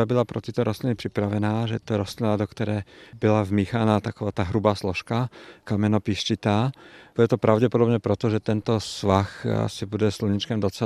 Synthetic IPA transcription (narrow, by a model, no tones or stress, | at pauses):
abilapɾɔ̰t̪it̪ɔɾʔɔst̪linipɾipɾaʋɛnaːʒɛt̪ɔɾɔst̪linad̪ɔkt̪ɛɾɛːbilavmiːxanat̪akɔʋaːt̪aːɦɾubaːslɔʃkakamɛnɔpiʃt͡ʃit̪aːb̥uɟɛt̪ɔpɾaʊɟɛpɔd̪ɔbɲɛpɾɛt̪ɔʒɛt̪ɛnt̪ɔsʋaxa̰sibuɟɛsluɲit͡ʃkamd̪ɔt͡sɛ